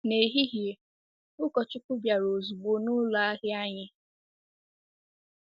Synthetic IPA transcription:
ne˨ɦi˦ɦje˨ | ʊ˦kɔ˨t͡ʃʊ˦kʊ˦bja˨ɾo˨zu˨ɡ͡bo˨nʊ˦la˨a˦ɦɪ˦a˦ɲɪ˦

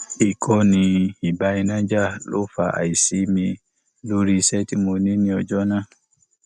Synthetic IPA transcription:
i˨kʰɔ˦nĩ˨i˨ba˨˦i˦nã˦d͡ʒa˦lʔo̰˦fa̰˨ʔa̰˨i˨si˦mi˨ | lu˦ɾi˦sɛ˦ti˦mo˨nĩ˦nĩ˨ɔ˨d͡ʒɔ˦na˦

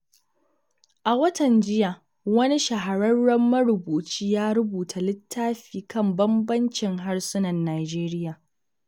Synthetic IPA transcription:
ʔa˨wɐ˦tɐ˨nd͡ʒɪ˦jaː˨ | wɐ˦ni˦ʃɐ˨ɦa˨ɾɐ˦rɽɐ˦mːɐ˦ɽʊ˨buː˨t͡ʃiː˦jaː˦ɾʊ˦buː˨tʰa˨lɪ˦tʰːaː˦ɸiː˨kɐ˦˨mbɐ˦mbɐ˦nt͡ʃɪ˨ŋɦa˦ɽsʊ˦nɐ˨nːaː˨d͡ʒeː˦ɾɪ˦jaː˨

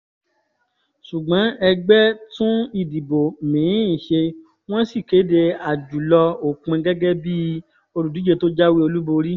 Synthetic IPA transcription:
su˨ɡ͡bã˨˦ɛ˧ɡ͡bɛ˦tũ˦i˦˨di˨bo˨mĩ˨˦˨ʃe˧ | w̃ɔ̃˦si˦˨ke˨˦de˧a˨d͡ʒu˨lɔ˧o˨kũ˧ɛ˧ɡɛ˦ɡɛ˦bi˦ | o˧ɾu˨du˨˦d͡ʒe˧to˦d͡ʒa˦wi˦o˧lu˦bo˧ɾi˦

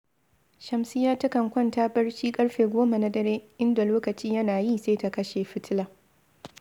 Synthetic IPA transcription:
ʃɐ˨msɪ˦jaː˦tɐ˦kɐ˨ŋkʷɐ˦ntaː˦bɐ˦ɽʃiː˦kʼɐ˦ɽɸeː˨ɡʷoː˦ma˨na˦ɗɐ˦ɽeː˦ʔɪ˦nda˨loː˦kɐ˨t͡ʃiː˦jɐ˦naː˨ji˦seː˦ta˦kɐ˦ʃeː˨ɸɪ˦tɪ˦laː˨

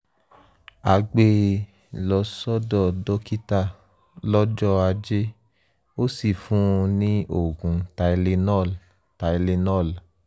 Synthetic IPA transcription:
a˨˧ɡ͡be˦ | lɔ˧sɔ˦dɔ˦˨dɔ˦ki˦ta˦˧˨ | lɔ˦d͡ʒɔ˦a˧d͡ʒe˦ | o˦si˦˨fũ˦˧nĩ˦o˦˨ɡũ˨˦ta˧i˧le˧nɔ˦˨l | ta˨i˧le˧nɔ˦˨l

